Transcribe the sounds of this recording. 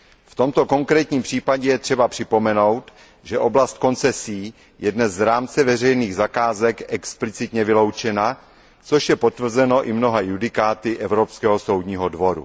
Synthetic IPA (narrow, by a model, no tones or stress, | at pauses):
ft̪o̞mt̪o̞ko̞ŋkɾɛːt̪ɲiːmpr̝̥iːpaɟɛjɛt̪r̝̥ɛbapr̝̥ɪpo̞mɛno̞wt̪ | ʒɛʔo̞blast̪̚ko̞nt͡sɛsiː | jɛdnɛzɾaːmt͡sɛvɛrɛjniːɣzakaːzɛkɛksplɪt͡sɪt̪ɲɛvɪlo̞wt͡ʃɛna | t͡so̞ʃjɛpo̞t̪vr̩zɛno̞ʔɪmno̞ɦajudɪkaːt̪ɪʔɛvɾopskɛːɦoso̞wdɲiːɦodvo̞ɾṵ